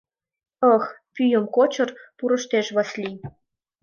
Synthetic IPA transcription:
ɤxpʲyjə̆mkot͡ɕɤ̆rpuɾɤ̆ʃt̪eʃβɑslʲi

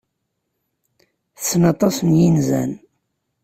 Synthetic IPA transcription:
θə̥sːnɑt̪ˤɑsnjinzæ̰n

